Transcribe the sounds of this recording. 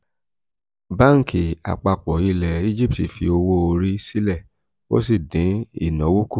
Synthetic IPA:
ba˦˨ŋ̩˨kʰi˨a̰˨k͡pa˧k͡pɔ˨i˧lɛ˨i˦d͡ʒi˦p̚ti˨fḭ˧o˧wo˦o˧ɾi˦si˦lɛ˦˨ | wo̰˦s̬i˦˨dĩ˨˦ḭ˦˨nɔ̃˨˦wu˦ku˦˨

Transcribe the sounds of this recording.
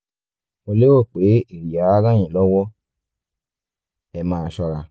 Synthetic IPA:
o˧le˦wo˦˨k͡pe˨˦i˦˨ɾi˨ja˨˦a˦ɾã˦j̃ĩ˨lɔ˦wɔ˦ | ɛ˧mãː˨˦˧ʃɔ˧ɾa˨˧

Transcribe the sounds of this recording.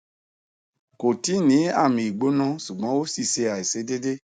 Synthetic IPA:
ko˨ti˨˦nĩ˨˦a˦˨mĩ˨i˨ɡ͡bo˨˦nã˦su˨ɡ͡bɔ̃˨˦o˦si˦˨ʃe˧a˨i˨se˨˦de˦de˦

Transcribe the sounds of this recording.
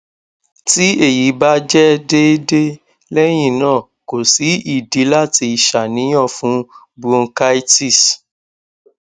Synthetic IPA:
ti˦e˦˨ji˨˦ba˦d͡ʒɛ˦de˦de˦ | lɛ˦j̃ĩ˦˨nãː˦˨ | ko˨si˨˦i˦˨di˨˦la˦ti˧i˨ʃa˨nĩ˨˦j̃ɔ̃˦˨fũ˦ | bu˦o˧ka˦i˦ti˦˨s

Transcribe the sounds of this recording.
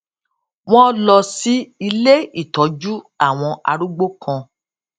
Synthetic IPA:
w̃ɔ̃˦lɔ˧si˦i˧le˦i˦˨tɔ˨˦d͡ʒu˦ | a˦˨w̃ɔ̃˧a̰˧ɾu˦ɡ͡bo˦kʰã˧

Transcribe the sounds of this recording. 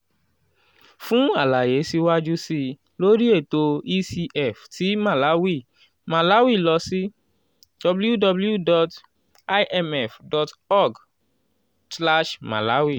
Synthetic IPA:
fũ˦a˦˨la˨je˨˦si˧wa˦d͡ʒu˦si˧ | lo˦ɾi˦e˦˨to˧i˦si˧ʔɛ˦˨fti˨˦ma˦˨la˨˦wi˦˨ | ma˨la˨˦wi˦˨lɔ˧si˦ | d̥ɔ˧blju˦dɔ˧blju˦dɔ˧t | a˦jʔɛ˧mɛ˦˨fdɔ˧tɔ˦˨ɡ | sla˦ʃma̰˨la˨˦wi˦˨

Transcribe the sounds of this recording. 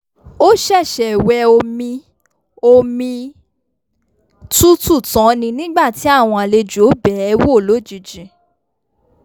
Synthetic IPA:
o˦ʃɛ˦˨ʃɛ˨wɛ˧o˧mĩ˧ | o˧mĩ˧ | tu˦tu˦˨tɔ̃˨˦nĩ˧nĩ˦ɡ͡ba˦˨ti˨˦a˦˨w̃ɔ̃˧a˨le˧d͡ʒo˨˦bɛ˨˦ɛ˧wo˦˨lo˨˦˨d͡ʒi˨d͡ʒĩ˨

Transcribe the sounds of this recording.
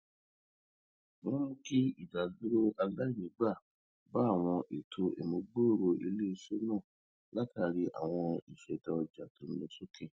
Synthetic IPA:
w̃ɔ̃˦mũ˦ki˦i˦˨da˨du˦ɾo˦ʔa˧la˦i˦˨nĩ˨˦ɡ͡ba˦˨ | ba˦˨w̃ɔ̃˧ʔe˨tʰo˧ʔḛ˨mõ˨˧ɡ͡bo˦o˦˨ɾo˧ʔi˧le˦˧so˦nã˦˨ | la˦ta˦˨˧ɾi˦ʔa̰˨w̃ɔ̃˧i˨ʃɛ˨da˧ɔ˧d͡ʒa˨to˨˦n̩˦õ˧so˦kɛ˦˨

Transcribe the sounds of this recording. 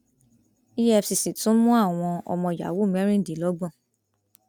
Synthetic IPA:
i˦jɛ˦˧fsi˨si˨tũ˨˦mũ˦a˦˨w̃ɔ̃˧ɔ̰˧mɔ̃˧˨ja̰˨˦wo˦˨mɛ̃˨˦ɾ̃ĩ˦˨di˨˦lɔ˦ɡ͡bɔ̃˦˨

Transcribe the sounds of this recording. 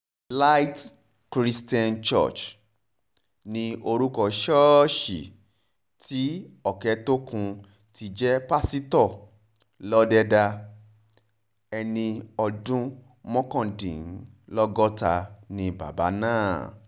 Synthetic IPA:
la˦jt | kɾi˦sti˦ã˦nt͡ʃɔ̰˦˨t͡ʃ | nĩ˧o˧ɾu˦kɔ˧ʃɔ˦ʃḭ˨ | tʰi˦ɔ˨kɛ˨˦to˦kũ˧ | ti˧d͡ʒɛ˦pa˦si˦tɔ˦˨ | lɔ˦dɛ˦da˧ | ɛ˧nĩ˧ɔ˧dũ˦ | mɔ̃˦kɔ̃˦˨dḭ̃˨n˦lɔ˦ɡɔ˦ta˧nĩ˧ba̰˨ba̰˨˦nãː˦˨

